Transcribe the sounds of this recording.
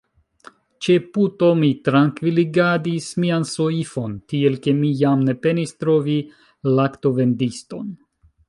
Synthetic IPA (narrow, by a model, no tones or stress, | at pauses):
t͡ʃe̞puto̞mitɾaŋkviliɡadismianso̞ifo̞ntie̞lke̞mijamne̞pe̞nistɾo̞vi | lakto̞ve̞ndisto̞̰n